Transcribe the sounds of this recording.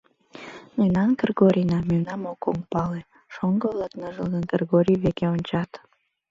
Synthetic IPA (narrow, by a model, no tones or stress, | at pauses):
nəjnɑnkərɡoɾʲinɑmynɑmokːoŋpɑle | ʃoŋɡəβlɑknəʒəlˠɡənɡərɡoɾʲiβekeonʲt͡ɕɑt̪